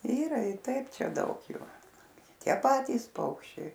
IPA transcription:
ˈiːrɐ ɪr ˈtɐɪp ˈt͡ʃʲɛ ˈdɐʊk ˈjʊ ˈtʲiɛ ˈpɑːtʲiːs ˈpɐʊkʃʲt͡ʃʲɛɪ

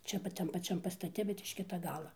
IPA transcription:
ˈt͡ʃʲɛ pɐt ˈtɐm pɐˈt͡ʃʲɛm pɐstɐˈtʲɛ bʲɛt ɪʃ ˈkʲɪtɐ ˈɡɑːlˠɐ

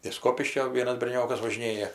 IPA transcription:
ɪʃ ˈskoːpʲɪʃʲkʲoː ˈʋʲiɛnɐs bʲɛrʲˈnʲoːkɐs ʋɐʒʲɪˈnʲeːjɛ

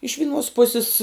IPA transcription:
ɪʃ ʋʲɪˈnuɔs ˈpʊsʲɪs

